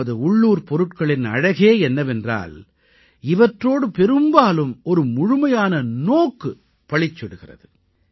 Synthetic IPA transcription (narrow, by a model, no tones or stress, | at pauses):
ɐðɯʊɭːuːɾpɔɾɯʈkɐɭɪnɐ̰ɻɐɣeːɛnːɐʋɛndra̰ːl | ɪʋɐʈroːɽɯpɛɾɯmbaːlɯmɔɾɯmʊɻʊmɐjaːnɐnoːkːɯ | pɐɭɪt͡ʃːɛɽɯɣɪrɐ̰ðɯ